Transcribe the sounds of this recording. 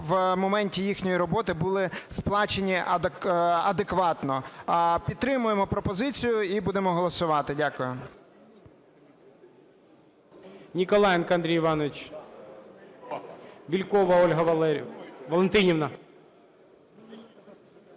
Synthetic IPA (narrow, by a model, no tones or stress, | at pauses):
ʋmɔmɛnʲtʲijixnʲɔjiɾɔbɔt̪ɪbʊlˠɪsplˠɑt͡ʃenʲi | ɐd̪ekʋɑt̪nɔpʲid̪t̪ɾɪmʊjemɔpɾɔpɔzɪt͡sʲijʊibud̪emɔɦɔlˠɔsʊʋɑt̪ɪdʲakʊjʊ | nʲikɔlˠɑjɛnkɐɐnd̪ɾʲijʋɑnɔʋɪt͡ʃ | bʲilʲkɔʋɐɔlʲɦɐ | ʋɔlˠent̪ɪnʲiʋnɐ